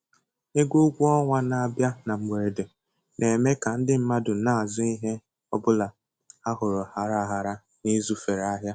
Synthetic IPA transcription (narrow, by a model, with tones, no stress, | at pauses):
e˦ɡo˦ɡʷu˦ɔ˦ŋʷa˦na˨a˨bja˦na˨ŋ͡m̩˨ɡ͡be˨ɾe˨de˨ | nʔe˨me˦ka˨n̩˦dɪ˦m̩˦ma˦dʊ˨˦na˦˨a˨zʊ˦i˦ɦe˦ | ɔ˦bʊ˦la˨ | a˦ɦʊ˨ɾʊ˨ha˨ɾa˦˨ɦa˨ɾa˦ | ni˦zu˦fe˨ɾa˦ɦja˦